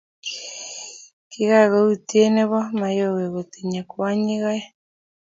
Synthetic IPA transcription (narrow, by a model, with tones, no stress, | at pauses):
kiɣa˦ɣo˦utie˦nɛ˦βɔ˦ma˨jo˦ɣe˨ɣo˨t̪i˨ɲa˨kwa˦ɲi˦ɣa˦ɛ˦